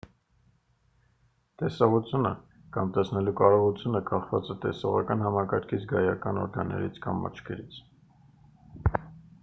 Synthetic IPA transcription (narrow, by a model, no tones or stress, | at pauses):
t̪ɛsɑʁut͡sʰjunə̰ | kɑmt̪ɛsnɛlukɑɾɔʁut͡sʰjunəkʰɑχvɑ̰t͡sɛt̪ɛsɔʁɑkɑnɦɑmɑkɑɾkʰit͡sʰɡɑjɑkɑnɔ̰ɾɡɑnːɛ̰ɾit͡sʰkɑmːɑ̰t͡ʃʰkʰɛɾit͡sʰ